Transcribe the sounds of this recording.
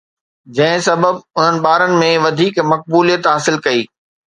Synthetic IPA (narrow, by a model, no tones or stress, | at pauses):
d͡ʑɐ̃ɦɪ̃sɐbəbʊn̤ənɪ̆ɓaːɾənɪ̆mẽʋɐd̪ʱiːkmɐk̚buːlijət̪ɦaːsɪlkɐiː